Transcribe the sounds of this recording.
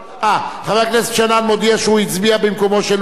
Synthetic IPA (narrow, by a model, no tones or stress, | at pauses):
ʔaχaveaknesʃananmod̪iaʃehuit͡sbiabimkomoʃel